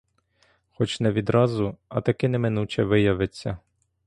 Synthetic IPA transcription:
xɔt͡ʃnɛʋʲid̪ɾɑzʊɐt̪ɐkɪnɛmɪnut͡ʃɛʋɪjɐʋet͡sʲːɐ

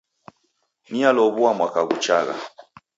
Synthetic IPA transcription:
nialɔβuamwakaɣṵt͡ʃaɣa̰

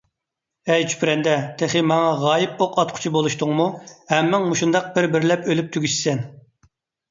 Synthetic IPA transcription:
ɛjt͡ʃʰy̥pʰɾɛnd̪ɛt̪ʰeχɪmɑŋɑʁɑːjip̚oqʰɑt̪̚qʰʊ̥t͡ʃʰibolˠuʃt̪ʊŋmuhɛmːɪŋmuʃund̪ɑq̚b̥ɪɾbɪɾlɛpølyp̚t̪ʰyɡʲyʃsɛn

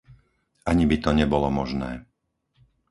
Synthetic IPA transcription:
aɲibit̪ɔɲɛbɔlɔmɔʒnɛː

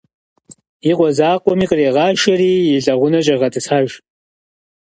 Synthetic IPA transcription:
jiqʷɔzaːqʷʼɔmiːqʼəreːʁɑːʃɐɾiːjɪɮɐʁʷʊnɐt͡ʃʼɐʁɐtʼɨsaːʒ

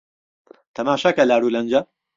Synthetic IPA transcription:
t̪ʰɐmaːʃɐkɐlaːɾuːlɐnd͡ʒɐ

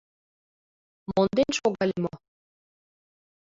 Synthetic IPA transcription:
mond̪enʃoɣɑlʲmo

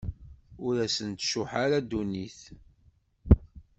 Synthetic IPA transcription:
ʊɾæsənt̪ʃuħaɾad̪ːuniθ

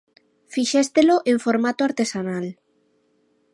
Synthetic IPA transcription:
fiʃest̪eloʔeɱfoɾmat̪oaɾt̪esanal

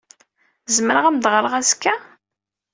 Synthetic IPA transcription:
zməɾəʁæmd̪ʁɾəʁæskːæ

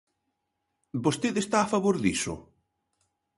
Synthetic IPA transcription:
bost̪eðest̪aːfaβoɾðḭsʊ̰

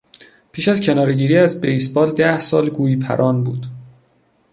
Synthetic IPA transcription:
pʰiːʃæzcʰe̞nɒːɾeɟiːɾiːæzbejsbɒːld̪æhsɒːlɡuːjipʰæ̰ɾʔɒːnbuːd̪̥

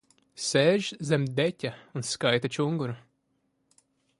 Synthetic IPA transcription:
sɛːʒzɛmd̪ɛtʲaunskajt̪at͡ʃuŋɡuɾu

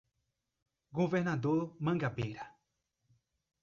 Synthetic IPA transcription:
ɡoveɾnad̪oɾmãŋɡabeɾa

